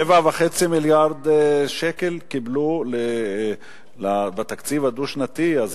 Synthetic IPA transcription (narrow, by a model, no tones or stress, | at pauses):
evavaχet͡similjaʁd̪ʃekelkiblule | labat̪akt͡sivad̪uʃnat̪iaz